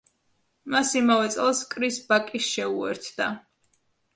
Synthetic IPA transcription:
masimavɛt̪sʼɛlˠskʼɾisbakʼisʃɛuɛ̰ɾt̪ʰd̪̥a̰

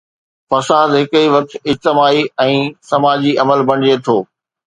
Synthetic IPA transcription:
fɐsaːd̪ɦɪkəiʋɐk̚t̪ɪd͡ʑt̪ɪmaːiɛ̃ːsɐmaːd͡ʑiʔɐməlbɐɽ̤̃iet̪ʰoː

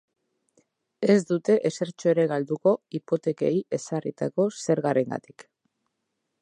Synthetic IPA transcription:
e̞zd̪ut̪e̞ʔese̞ɾt͡ʃoe̞ɾe̞ɣald̪uko̞ipo̞t̪e̞ke̞ie̞sarit̪ako̞se̞ɾɣaɾe̞ŋɡa̰t̪i̥k

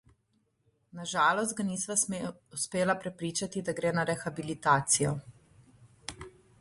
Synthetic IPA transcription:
naʒaːlɔst̪̚ɡanisʋauspeːlapɾɛpɾiːt͡ʃat̪id̪aɡɾeːnaɾɛxabilit̪aːt̪sijɔ

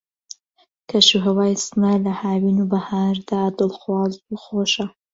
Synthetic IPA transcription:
kʰɐʃuɦɐwaːjsnalɐhaːwinubɐhaːɾd̪aːd̪ɨlˠxwɑːzuxoːʃa

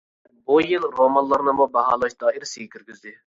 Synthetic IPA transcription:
bujilɾomɑnlˠɑɾnɨmubɑɦɑ̰ːlˠɑʃd̪ɑːiɾsiɡʲɛkʲʰyɾɡʲyzd̪ɪ

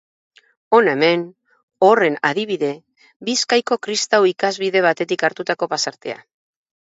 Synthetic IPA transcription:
o̞ne̞me̞n | o̞re̞na̰ðiβ̞iðe̞ | biskajko̞kɾist̪awikazβiðe̞β̞at̪e̞t̪ikaɾt̪ut̪ako̞pasaɾt̪e̞a̰

